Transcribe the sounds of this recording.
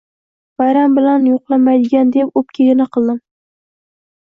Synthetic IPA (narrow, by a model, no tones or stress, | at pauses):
v̥ajɾambɪlanjoqlˠamajd̪ɪɡʲand̪epop̚kʲʰeɡʲɪnɪqʰɨlˠd̪ɪm